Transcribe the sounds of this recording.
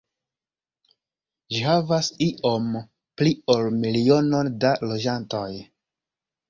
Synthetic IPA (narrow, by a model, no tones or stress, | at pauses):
ʒihavasiʔo̞m | pliolmilio̞no̞ndalo̞d͡ʒanto̞j